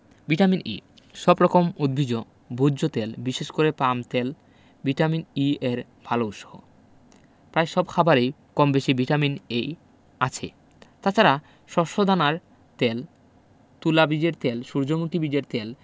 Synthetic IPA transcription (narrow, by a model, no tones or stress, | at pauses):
biʈaminʔḭ | ʃɔbɾɔkomud̪̚bʱid͡ʑo | bʱuːot̪elbiʃeʃkoɾepamt̪el | biʈaminieɾ | bʱalowʃoɦo̰ | pɾaeʃɔb̚kʰabʱaɾej | kɔmbeʃibʱiʈaminej | at͡ɕʰḛ | t̪at͡ɕʰaɾa | ʃɔʃod̪ʱanaɾ | t̪el | t̪ulabid͡ʑeɾt̪elʃuɾd͡ʑomukibid͡ʑeɾt̪el